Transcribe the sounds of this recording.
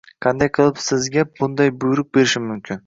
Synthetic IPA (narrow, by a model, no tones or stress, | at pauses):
qʰɑnd̪ajqʰɨlˠɪpsɪzɡʲab̥ʊnd̪ajbʊjɾɪk̚ʲbe̞ɾɪʃɪmʊmkʲʰɪn